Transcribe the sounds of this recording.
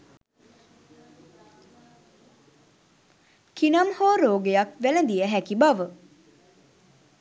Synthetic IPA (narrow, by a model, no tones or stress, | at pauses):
kinɐmhoːɾoːɡejakʋelənd̪ijəɦækibaʋə